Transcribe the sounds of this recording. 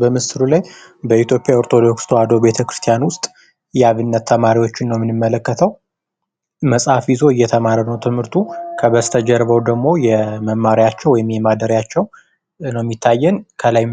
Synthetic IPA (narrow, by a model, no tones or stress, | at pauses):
bəmɨsɨɾulaj | bəit̪ʰjo̞pʼejaoɾt̪ʰo̞d̪o̞kst̪ʰoad̪o̞be̞t̪ʰəkɾɨ̥st̪ʰijanwʊst̪ʼ | jɛaβɨnːət̪ʰːəmaɾiwo̞t͡ʃːɪnːəwmːɨnɨmːələkːət̪ʰəw | məsʼhafjizo̞ɨjːɛt̪ʰəmaɾənəwt̪ʰɨmhɨɾt̪ʰukʰəβəst̪ʰəd͡ʒɛɾβəwd̪əɡmo̞jɛməmːaɾijat͡ʃːɛwɔjɪmjɛmad̪əɾjat͡ʃːɛw | nəwmːjit̪ʰːajːɛnkʰəlaj